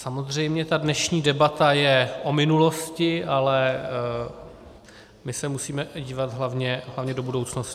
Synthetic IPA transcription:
samozr̝ɛjmɲɛt̪adnɛʃɲiːdɛbat̪ajɛʔomɪnulo̞scɪʔalɛ | mɪsɛmusiːmɛɟiːvat̪ɦlavɲɛɦlavɲɛdo̞budo̞wt͡snoscɪ

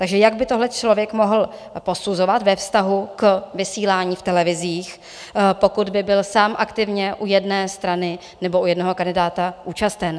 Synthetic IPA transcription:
t̪aɡʒɛjaɡ̚bɪt̪o̞ɦlɛt͡ʃlo̞vjɛkmo̞ɦl̩ | po̞suzo̞vat̪vɛfst̪aɦukvɪsiːlaːɲiːft̪ɛlɛvɪziːx | po̞kud̪bɪbɪlsaːmʔakt̪ɪvɲɛʔujɛdnɛːst̪ɾanɪ | nɛboʔujɛdnoɦokandɪdaːt̪aʔuːt͡ʃast̪ɛn

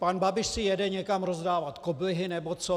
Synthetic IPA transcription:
panbabɪʃsɪjɛdɛɲɛkamɾozdaːvat̪kobɪɦɪnɛbot͡so

